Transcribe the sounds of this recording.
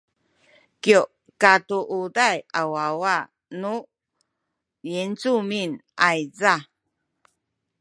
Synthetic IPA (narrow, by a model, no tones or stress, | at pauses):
kio | katuʔudajawawa | nu | jent͡suminʔajza